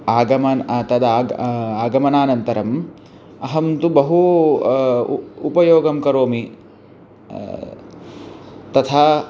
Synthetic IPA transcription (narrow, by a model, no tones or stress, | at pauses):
aːɡɐmɐnt̪ɐd̪ɐːaːɡɐmɐnaːnɐnt̪ɐɾɐm | ɐɦɐmt̪ubɐɦu | upɐjoːɡɐmkɐɾoːmi | t̪ɐt̪ʰaː